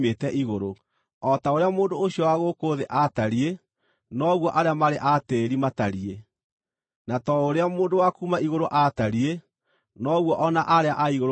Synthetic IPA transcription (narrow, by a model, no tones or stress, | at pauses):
meːtɛʔiɣoɾo | ɔtaoɾeamoːndoːɕiɔwaɣoːkoðeʔataɾie | nɔɣwɔʔaɾeamaɾeʔateːɾimataɾie | natɔoɾeamoːndowakuːmaiɣoɾoʔataɾe | nɔɣwɔʔɔnaʔaɾeaʔaiɣoɾ